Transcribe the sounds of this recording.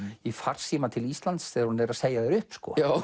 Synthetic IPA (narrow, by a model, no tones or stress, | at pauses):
ifar̥siːmat̪ʰɪlist̪lant̪sθɛːɾhunɛɾaðseːjaðɛɾʏhpskɔ̰a